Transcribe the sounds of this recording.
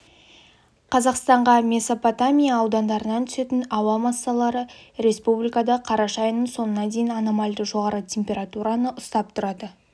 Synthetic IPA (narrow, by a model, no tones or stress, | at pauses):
qʰɑzɑqst̪ɑɴʁɑmʲe̞sopot̪amʲijaːwd̪ɑnd̪ɑɾənɑnt̪ʰʏse̞t̪ɪnɑwɑmɑsːɑlˠɑɾəɾe̞spublijkad̪ɑqʰɑɾɑʃɑjənəɴso̞nənɑd̪e̞jɪnɑnomɑlʲd̪əʒo̞ʁɑɾət̪ʲʰe̞mpʲe̞ɾat̪uɾɑnəʔʊst̪ɑp̚t̪ʰʊɾɑd̪ə